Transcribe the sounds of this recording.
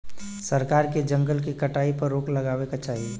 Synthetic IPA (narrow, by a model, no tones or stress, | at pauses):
səɾkaːɾked͡ʒə̃ŋɡəlkikəʈaːipɐɾːoːkləɡaːwekat͡ʃaːɦie